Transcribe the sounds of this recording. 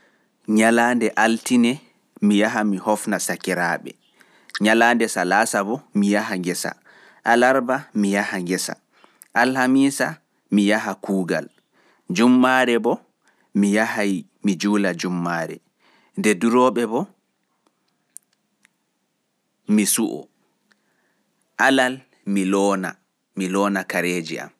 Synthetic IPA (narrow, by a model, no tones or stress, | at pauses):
ɲalaːndɛʔaltinɛ | mijaɦamihɔfnasakɛɾaɓɛ̰ | ɲalaːndɛsalaːsabɔmijahaŋɡɛsa̰ | ʔalaɾbamijahaŋɡɛsa̰ | ʔalhamiːsa | mijaɦakuːɡa̰l | d͡ʒumːaɾɛbɔ | mijahaj | mid͡ʒuːlad͡ʒumːaːɾɛ̰ | ndɛduɾɔːɓɛbɔ | misuʔɔ̰ | ʔalal | milɔna̰ | milɔːnakaɾeːd͡ʒia̰m